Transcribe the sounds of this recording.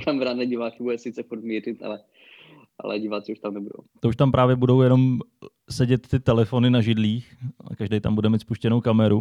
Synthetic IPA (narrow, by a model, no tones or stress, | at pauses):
kamɛɾanɛɟivaːkɪbudɛsɪt̪t͡sɛfuɾt̪miːrɪt̪ʔa̰lɛ | ʔa̰lɛ̰ɟiːvat̪sɛuʃt̪amnɛbudo̰t̪ouʃt̪ampɾʔaːvjɛbudo̞wjɛno̞m | sɛɟɛt̪ːɪt̪ɛlɛfo̞nɪnaʒɪdliːxa̰kaʒdejt̪a̰mbudɛmiːt̪spuʃcɛnowkamɛɾu